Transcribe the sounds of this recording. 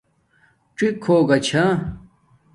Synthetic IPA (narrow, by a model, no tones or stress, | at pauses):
ʈ͡ʂikʰːoːɡɐt͡ɕʰa